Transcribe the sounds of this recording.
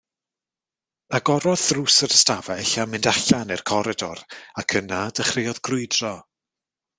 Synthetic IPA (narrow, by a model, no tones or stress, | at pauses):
aɡɔɾɔðruːsəɾəstavɛɬamɪndaɬanɛrkʰɔɾɛdɔrakʰənadəχrɪjɔðɡrʊɨdrɔ